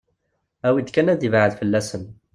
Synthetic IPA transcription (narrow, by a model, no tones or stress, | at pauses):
æwid̪kænæd̪ivʕəd̪fəlːæsən